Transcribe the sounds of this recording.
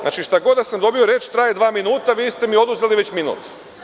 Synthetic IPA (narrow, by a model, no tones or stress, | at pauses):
za̰ːt͡ʃiʃt̪aɡo̞d̪d̪asamd̪o̞bioɾeːt͡ʃt̪ɾaːjed̪ʋaːminuːt̪aʋiːst̪emio̞d̪uzeliʋet͡ɕminṵːt̪